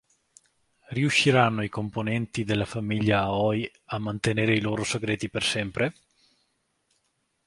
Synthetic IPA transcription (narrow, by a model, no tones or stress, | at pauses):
riuʃiɾanːoikomponɛnt̪id̪elːafamiʎːaːɔj | amːant̪eneːɾeiloːɾoseɡɾeːt̪ipersɛmpɾe